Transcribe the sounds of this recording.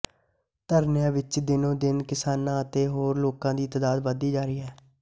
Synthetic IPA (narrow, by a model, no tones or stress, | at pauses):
t̪əɾnjãːʋɪt͡ʃd̪ɪnõːd̪ɪnkɪsaːnãːət̪eːɦoːɾloːkãːd̪iːt̪əd̪aːd̪ʋəd̪iːd͡ʒaːɾiːɛː